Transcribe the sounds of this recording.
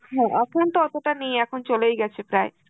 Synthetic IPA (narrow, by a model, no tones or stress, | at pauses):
ɦɛ̃ʔɛkʰont̪oɔt̪oʈanijɛkʰont͡ɕolejɡɛt͡ɕʰepɾae